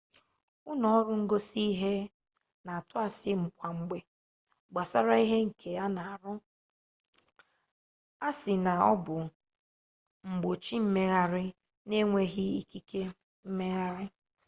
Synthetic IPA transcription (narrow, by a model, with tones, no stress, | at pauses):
ʊ˦nɔ˨ɔ˦ɾʊ˦ŋ̩˦ɡo˦si˦ɦe˦ | na˨a˨tʊ˦a˨sɪ˦ŋ͡m̩˨kʷa˨ŋ͡m̩˨ɡ͡be˨ | ɡ͡ba˨sa˦ɾa˦i˦ɦe˦ŋ̩˨kʰe˨a˦na˨a˨ɾʊ˦ | a˦sɪ˨na˨ɔ̰˦bʊ˨ | ŋ͡m̩˨ɡ͡bo˨t͡ʃi˦m̩˦me˦ɣa˦ɾɪ˦ | ne˦ŋʷe˦ɣɪ˦i˦ki˦ke˦ | m̩˦me˦ɣa˦ɾɪ˦